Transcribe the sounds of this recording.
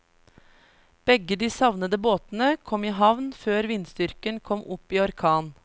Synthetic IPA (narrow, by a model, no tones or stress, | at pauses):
b̥ɛɡəd̪iːsɑʋnəd̪əboːt̪n̩əkʰɔmiːɦɑʋnføːɾʋɪnst̪ʏɾkənkʰɔmʔʊpiːɔɾkʰɑːn